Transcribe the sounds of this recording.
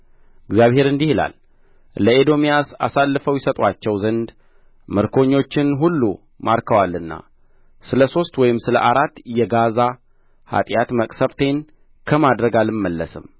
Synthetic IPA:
ʔɨɡzjaβhe̞ɾɨnd̪ihɨla̰l | ləed̪o̞mijasa̰salːɨfəwjɪsət̪ʼwat͡ʃːɛwzənd̪ | mɨɾkʰo̞ɲːo̞t͡ʃːɪnɦulːu | maɾkʰəwalːɨnːa̰ | sɨləso̞st̪wɔjɪmsɨləʔaɾat̪ːjɛɡaza | ha̰t̪ʼjat̪məkʼsəβt̪ʰe̞n | kʰəmad̪ɾəɡalɨmːəlːəsɨ̰m

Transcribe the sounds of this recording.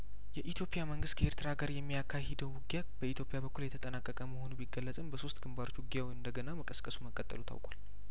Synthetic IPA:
jɛʔit̪ʰjo̞pʼijaməŋɡɨst̪kʰəeɾt̪ʰɨɾaɡəɾjɛmːijakʰːahɪd̪əwwʊɡja | b̥əit̪jo̞pʼijabəkːuljɛt̪ʰət̪ʼənakʼːəkʼəməho̞nubiɡəlːəsʼɨmbəso̞st̪ɡɨmbaɾot͡ʃːwʊɡijawiɨnd̪əɡənaməkʼəskʼəsuməkʼət̪ʼːə̰lut̪ʰa̰wkʼwa̰l

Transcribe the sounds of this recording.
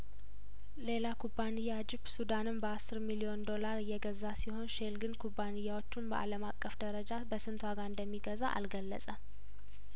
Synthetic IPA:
le̞lakʰubanɨjːad͡ʒɪbsud̪anɨmbəasːɨɾmilio̞nd̪o̞laɾɨjɛɡəzːasiho̞nʃe̞lɡɨnkʰubːanɨjːawo̞t͡ʃːumbə̰ʔa̰ləmakʼːəfd̪əɾəd͡ʒabəsɨnt̪ʰwaɡaɨnd̪əmːiɡəza̰ʔa̰lɡəlːə̰sʼəm

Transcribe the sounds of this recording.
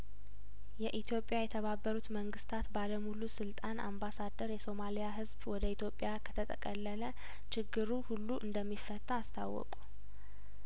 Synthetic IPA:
jɛʔit̪ʰjo̞pʼjajɛt̪ʰəβabːəɾut̪məŋɡɨst̪ʰat̪baləmulusɨlt̪ʼana̰mbasad̪ːəɾjɛso̞malijaɦɨzbwɔd̪əit̪ʰjo̞pʼjakʰə̥t̪ʰət̪ʼəkʼəlːələ | t͡ʃɪɡːɨɾuhulːuʔɨnd̪əmːifːət̪ʼːaːst̪ʰawːɔ̰kʼu̥

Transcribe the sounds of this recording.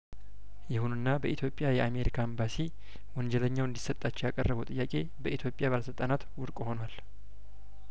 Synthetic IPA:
jɪhununːabəʔit̪jo̞pʼːjajɛame̞ɾikʰaəmbasi | wɔɲd͡ʒɛləɲːawɨnd̪isːət̪ʼːat͡ʃːɛwjakʼərːəβəwt̪ʼɨjːakʼe̞ | bəʔit̪ʰjo̞pʼjaβaləsɨlt̪ʼanat̪wʊɾkʼho̞nwal

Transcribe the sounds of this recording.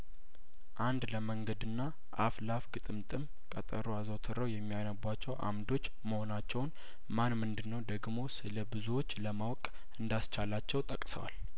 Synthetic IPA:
ʔand̪ləməŋɡəd̪ɨnːa | ʔaflafɡɨt̪ʼɨmt̪ʼɨm | kʼət̪ʼə̰ɾuazowt̪ʰɨɾəwjɛmːijajnəbwat͡ʃːɛwʔa̰md̪o̞t͡ʃːməho̞nat͡ʃːɛwn | manmɨnd̪ɨnːəwd̪əɡmo̞sɨləbɨzuwo̞t͡ʃːləmawkʼ | ɨnd̪ast͡ʃʰalat͡ʃːɛwt̪ʼəkʼsə̰wa̰l

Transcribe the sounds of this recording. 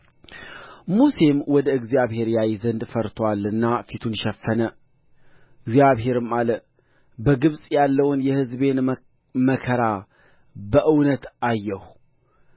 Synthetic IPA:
muse̞mwɔd̪əɨɡzijaβhe̞ɾjajzənd̪fəɾt̪ʰwalːɨnːafit̪ʰunʃɛfːənə | ɨɡzijaβɦe̞ɾɨmalə | bəɡɨβsʼjalːəwnjɛhɨzbe̞n | məkʰəɾa | bəʔɨwnət̪ʔajːɛhu

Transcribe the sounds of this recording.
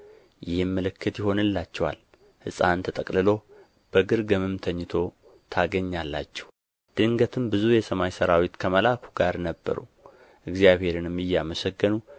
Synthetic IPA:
jɪhmːəlɨkʰːɨt̪jɪɦo̞nɨlːat͡ʃːɛwa̰l | hɨ̰sʼant̪ʰət̪ʼəkʼlɨlo̞ | b̥əɡɨɾɡəmɨmt̪ʰəɲːɨt̪ʰo̞ | t̪ʰaɡəɲːalːa̰t͡ʃːɛh | d̪̥ɨŋɡət̪ʰɨmbɨzujɛsəmajsəɾawit̪kʰəməlakʰu̥ɡaɾnəbːə̰ɾṵ | ʔɨɡzjaβhe̞ɾɨnɨmːɨjːaməsəɡːənu

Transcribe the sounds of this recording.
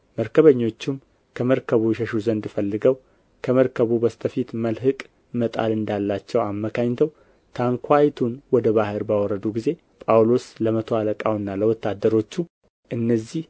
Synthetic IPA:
məɾkʰəβəɲːo̞t͡ʃːum | kʰəməɾkʰəβuɛʃəʃuzənd̪ɨfəlːɨɡəw | kʰəməɾkʰəβubəst̪ʰəfit̪məlɦɨkʼ | mət̪ʼa̰lɨnd̪alːat͡ʃːɛwamːəkʰaɲːt̪ʰəw | t̪ʰaŋkʰʷajt̪ʰunwɔd̪əβahɨɾbawɔɾːəd̪uɡize̞ | pʼawlo̞sləmət̪ʰoaləkʼawɨnːaləwɔt̪ːad̪ːəɾo̞t͡ʃːu | ʔɨnːəzːih

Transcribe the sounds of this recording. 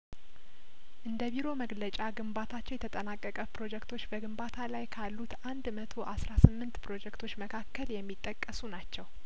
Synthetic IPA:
ʔɨnd̪əβiɾo̞məɡlət͡ʃʼaɡɨmbat̪ʰat͡ʃːɛwjɛt̪ʰət̪ʼənakʼːəkʼəpɾo̞d͡ʒɛkt̪ʰo̞t͡ʃːbəɡɨmbat̪ʰalajkʰalːut̪and̪mət̪ʰo̞ʔasɾasɨmːɨnt̪pɾo̞d͡ʒɛkt̪ʰo̞t͡ʃːməkʰakːəljɛmːit̪ʼːəkʼːəsunat͡ʃːɛw

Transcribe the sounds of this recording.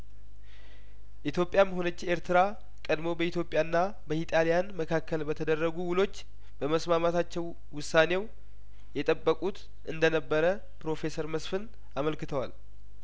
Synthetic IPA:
ʔit̪ʰjo̞pʼjamɦo̞nət͡ʃːe̞ɾt̪ʰɨɾa | kʼəd̪mo̞bəit̪ʰjo̞pʼjanːa | bəhit̪ʼalijanməkʰakːəlbət̪ʰəd̪ərːəɡuwʊlo̞t͡ʃː | bəməsmamat̪at͡ʃːɛwːʊsːanew | jɛt̪ʼəbːəkʼut̪ | ʔɨnd̪ənəbːəɾə | pɾo̞fe̞səɾməsfɨn | aməlkɨt̪ʰəwal

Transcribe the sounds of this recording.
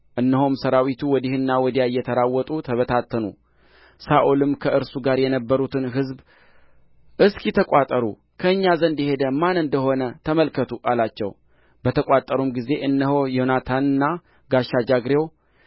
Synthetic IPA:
ʔɨnːəɦomsəɾawit̪ʰuwɔd̪ihɨnːawɔd̪ijajːɛt̪ʰəɾawːɔt̪ʼut̪ʰəβət̪ʰat̪ʰːənṵ | saʔulɨmkʰəʔɨɾsuɡaɾjɛnəbːəɾut̪ʰɨnɦɨzb | ʔɨskjɛt̪ʰəkʼat̪ʼəɾṵ | kʰəɨɲːazənd̪ihe̞d̪əmanɨnd̪əɦo̞nət̪ʰəməlkʰət̪ʰuʔalat͡ʃːɛ̰w | b̥ət̪ʰəkʼat̪ʼːəɾumɡize̞ʔɨnːəɦo̞jonat̪ʰanɨnːa | ɡaʃːad͡ʒaɡɾew

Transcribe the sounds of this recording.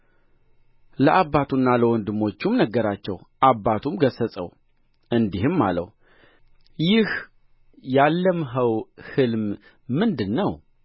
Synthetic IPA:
ləʔabːat̪ʰunːaləwɔnd̪ɨmo̞t͡ʃːumnəɡːəɾat͡ʃːɛwʔabːat̪ʰumɡəsəsʼə̰w | ɨnd̪iɦɨmːa̰lə̰w | jɪh | jalːəmɦəwhɨlm | mːɨnd̪ɨnːəw

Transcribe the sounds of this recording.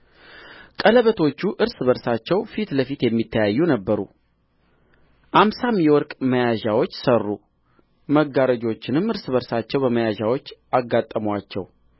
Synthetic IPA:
kʼələβət̪ʰo̞t͡ʃːuʔɨɾsɨβəɾsat͡ʃːɛwfit̪ləfit̪jɛmːit̪ʰːəjajːunəbːəɾṵ | ʔamsamjɛwɔɾkʼməjaʒawo̞t͡ʃːsərːṵ | məɡːaɾəd͡ʒo̞t͡ʃːɪnɨmɨɾsɨβəɾsat͡ʃːɛwbəməjaʒawo̞t͡ʃːaɡːat̪ʼːəmwat͡ʃːɛ̰w

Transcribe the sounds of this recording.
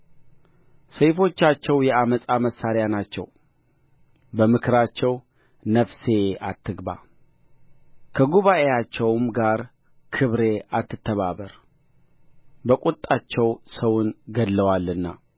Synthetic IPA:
səjfo̞t͡ʃːat͡ʃːɛwjɛaməsʼaməsːaɾjanat͡ʃːɛ̰w | bəmɨkʰɨɾat͡ʃːɛw | nəfse̞at̪ʰːɨɡba̰ | kʰəɡuβaʔe̞jat͡ʃːɛwmɡaɾ | kʰɨβɾe̞at̪ːɨt̪ʰːəβaβəɾ | bəkʼut̪ʼːat͡ʃːɛwsəwʊnɡəlːəwalːɨnːa

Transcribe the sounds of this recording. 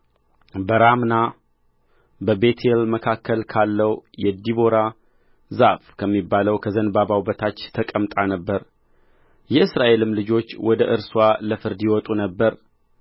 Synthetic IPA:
bəɾamna | bəbe̞t̪ʰelməkʰakʰːəlkʰalːəwjɛd̪iβo̞ɾa | za̰ʔfkʰəmːibːaləwkʰəzənbaβawbət̪ʰat͡ʃːt̪ʰəkʼəmt̪ʼanəbːəɾ | jɛɨsɾaʔe̞lɨmlɨd͡ʒo̞t͡ʃːwɔd̪əʔɨɾswaləfɨɾd̪ijwɔt̪ʼunəbːəɾ

